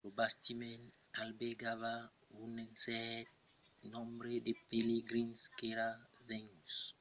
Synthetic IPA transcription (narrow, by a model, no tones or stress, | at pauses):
ɾobastimɛn | albeɡava | wunɛnsɛt̚ | nɔ̃mbɾedepeleɡɾĩnskeɾavɛŋus